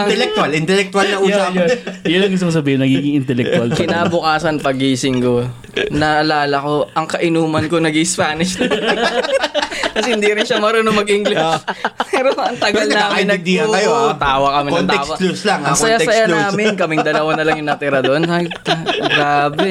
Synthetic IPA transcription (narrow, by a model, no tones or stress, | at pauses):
t̪ɛlɛk̚t̪alɪnt̪ɛlɛk̚t̪walnɐʔuːsajjʊnɐŋɡʊst̪oŋsɐbiːhɪnːɐɡiːɡɪŋɪnt̪ɛlɛk̚t̪alkɪnaːbʊkaːsɐnpɐɡiːsɪŋko | nɐʔɐlaːlɐko̞ʔɐŋkɐʔɪnuːmɐnkonɐɡɪspaːnɪʃt̪ɐ | kɐsɛhɪnd̪iɾɪnʃɐmɐɾonoŋmɐɡɪŋlɪpɛɾoɐŋt̪ɐɡɐlnaːmmn̚d̪iɐɐjot̪aːwɐkɐmɛknt̪ɛːwswɐluslaŋɐɐjasɐjanaːmɪnkɐmɪŋd̪ɐlɐwanɐlɐŋjʊŋnɐt̪ɪɾɐd̪oʔona | ɡɾaːbɛ